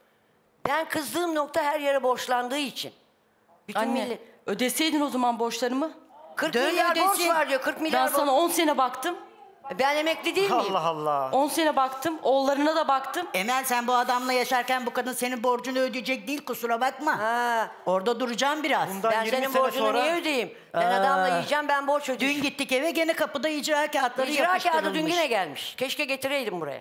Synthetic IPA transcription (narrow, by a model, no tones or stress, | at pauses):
bænkʰɯzlˠɯːmnok̚t̪ʰaɦæɾjeɾɛbo̞ʃlˠand̪ɯːit͡ʃʰḭn | bytʰanːilʲːɛø̞d̪esejd̪ino̞zamanbo̞ʃlˠaɾɯmɯkʰɯɾkd̪ømilʲːaɾd̪eboivaɾd̪ijokʰɯɾkmilʲbænɾsanao̞nse̞nɛbakt̪ʰɯm | bænemɛclʲid̪iːaɦalˠːaonse̞nɛbakt̪ʰɯmo̞lˠːaɾɯnad̪abakt̪ʰɯmemænsænbuad̪amlˠajaʃaɾcænbukad̪ɯnse̞ninbo̞ɾd͡ʒunød̪yjed͡ʒɛc̚d̪iːlʲkusuɾabakmaɛ | o̞ɾd̪ad̪uɾud͡ʒaːmbiɾazu̥nabænsenimoɾd͡ʒunonjɛød̪ejim | ɛnad̪amlˠaijd͡ʒambænboɾt͡ʃød̪ynɟit̪ːicevɛɟe̞nɛkapɯd̪aid͡ʒɾaːcaːt̪lˠaɾiɾɯd͡ʒjaɾaːʃaːd̪ɯd̪ynɟinɛɟælʲmiʃcʲʰɛʃkɛɟet̪ʰiɾejd̪imbuɾa̰ja̰